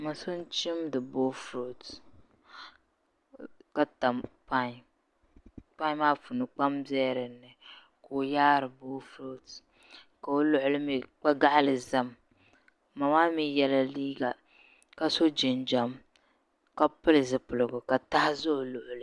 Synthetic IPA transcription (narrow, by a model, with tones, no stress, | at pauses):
ma˨so˦n˦t͡ʃi˦mdɨ˨boː˦fɾo˨t | ka˦ta˨mpa˦ɲ˨ | k͡pa˦ɲ˦maː˦fʊ˨nɨ˨k͡pa˦mzɛː˦ɾɨ˨nːɨ˨ | ko˨jaː˦ɾɨ˨boː˦fɾo˦t | ka˨o˦lʊ˦ʔʊ˨lɨ˦mi˨k͡pa˦ɡa˦ʔa˦lɨ˨za˦mː | a˨maː˦mi˦jɛ˦la˦liː˦ɡa˨ | ka˦so˦d͡ʒɪ˨nd͡ʒa˨m | ka˦pɨ˦lɨ˨zɨ˨pɨ˨lɨ˨ɡʊ˨ka˨ta˦hɪ˦zʊ˦ʔʊ˨lʊ˨ʔʊ˨lɨ˨˦